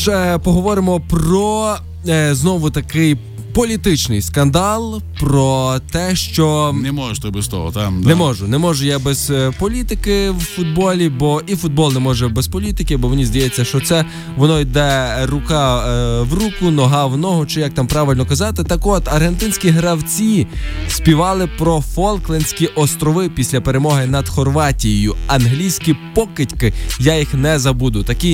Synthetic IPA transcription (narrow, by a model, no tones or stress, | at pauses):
ʃɛpɔɦɔʋɔɾɪmɔprɔ | znɔʋʊt̪ɐkɪj | pɔlʲit̪ɪt͡ʃnɪjskɐnd̪ɑlˠpɾɔt̪ɛʃt͡ʃɔnɛmɔʒʃt̪ɐbɛst̪ɔ̰ɦɔ̰t̪anɛmɔʒʊnɛmɔʒʊjabɛz̥pɔlʲit̪ɪkɪwfʊd̪̚bɔlʲibɔʔifʊd̪̚bɔlˠnɛmɔʒɛbɛspɔlʲit̪ɪkɪbɔʋɔnʲizd̪ɐjɛt͡sʲːɐʃt͡ʃɔt̪sɛ | ʋɔnɔid̪ɛrʊkɑʋrukʊnɔɦɑwnɔɦʊt͡ʃɪjɐk̚t̪ɑmpɾɑʋɪlʲnɔkɐzɑt̪ɪt̪ɐkɔt̪ɐrɦent̪ɪnʲsʲkʲiɦɾɐwt͡sʲisʲpʲiʋɑlˠɪpɾɔfɔlˠklˠenʲsʲkʲiʔɔst̪ɾɔʋɪpʲisʲlʲɐpeɾemɔɦɪnɐd̪xɔrʋɑtʲijjʊɐnɦlʲijsʲkʲipɔkɪtʲkɪjajixnɛzɐbud̪ʊt̪ɐki